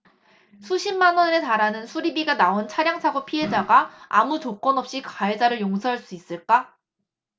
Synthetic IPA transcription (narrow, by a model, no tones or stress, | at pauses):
sʰuɕʰimmːanʌnetaɾanɯnsʰuɾibiɡanaont͡ɕʰaɾjaŋsʰaɡopʰiɦe̞d͡ʑaɡaamut͡ɕok͈ʌnʌp̚ɕ͈ikaed͡ʑaɾɯɭjoŋsʰʌɦaɭs͈uis͈ɯɭk͈a